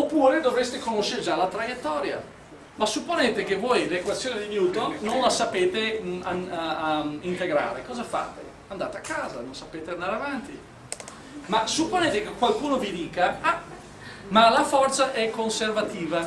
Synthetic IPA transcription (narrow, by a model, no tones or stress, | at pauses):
opːuːɾed̪ovɾest̪ekonoʃeɾed͡ʒalat̪ɾajet̪ːɔːɾja | masupːoneːt̪ekevɔːjlekat̪sjoːned̪injuːt̪onnonlasapeːt̪ea | int̪eɡɾa̰ːɾekɔːzafa̰ːt̪ḛ | and̪aːt̪eakːaːza̰nonsapeːt̪eand̪aːɾeavant̪i | masupːoneːt̪ekekːwalkuːnovid̪iːkaa | malafɔrt̪saʔɛkʰːonservat̪iːva